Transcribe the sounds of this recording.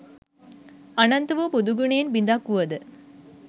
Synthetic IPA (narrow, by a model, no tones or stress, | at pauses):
ɐnɐnd̪ɯʋɯpɔðʊɣɯɳeːnbɪnd̪aːkːuʋɐðɯ